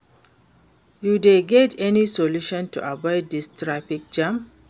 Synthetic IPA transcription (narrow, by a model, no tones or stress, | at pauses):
judeɡɛtʰɛnisɔluʃɔ̃ntṵʔabɔɪddistʰɹapik̚d͡ʒãm